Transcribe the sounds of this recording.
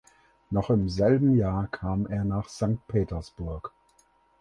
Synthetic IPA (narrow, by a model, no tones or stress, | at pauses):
nɔχɪmzɛlbm̩jaːɐkʰaːmʔeːɐnaːχz̥aŋk̚t̚pʰeːtɐsb̥ʊɐk